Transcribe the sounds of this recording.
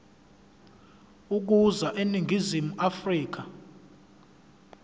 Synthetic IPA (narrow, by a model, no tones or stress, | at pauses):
uk̬uzaʔeniŋʱizimuʔafriːk̬a